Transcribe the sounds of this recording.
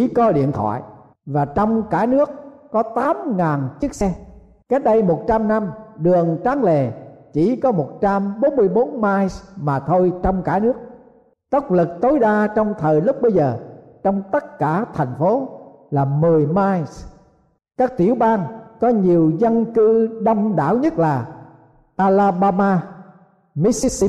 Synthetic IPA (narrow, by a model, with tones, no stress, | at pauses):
t͡ɕi˧˩kɔ˨˦ɗḭ˧˨ənt̪ʰɔ̰˧˨j | vaː˨˩t͡ɕɔ˧wŋ͡mkaː˧˩nɨ˦˥ək̚ːɔ˨˦t̪aː˨˦mŋaː˨˩nt͡ɕi˦˥k̚sɛ˧ | ka˦˥t̚ɗə˧jmo˨˩t̚t͡ɕa˧mna˧mɗɨ˨˩əŋt͡ɕaː˨˦ŋle˨˩t͡ɕi˧˩kɔ˨˦mo˨˩t̚t͡ɕa˧mɓo˨˦nmɨ˧əjɓo˨˦nmaː˧jsmaː˨˩t̪ʰo˧jt͡ɕɔ˧wŋ͡mkaː˧˩nɨ˦˥ək̚ | t̪ə˦˥wk͡p̚lɨ˨˩k̚t̪o˨˦jɗaː˧t͡ɕɔ˧wŋ͡mt̪ʰəː˨˩jlʊ˦˥k͡p̚ɓə˧jzəː˨˩ | t͡ɕɔ˧wŋ͡mt̪ə˦˥t̚kaː˧˩t̪ʰa˨˩jŋ̟fo˨˦ | laː˨˩mɨ˨˩əjmaː˧js | kaː˦˥k̚t̪i˧˩əwɓaː˧nkɔ˨˦ɲi˨˩əwzə˧nkɨ˧ɗə˧wŋ͡mɗa̰ː˧˥˨wɲə˦˥t̚laː˨˩ | ʔaː˧laː˧ɓaː˧maː˧ | mi˨˦˥si˦˥si˧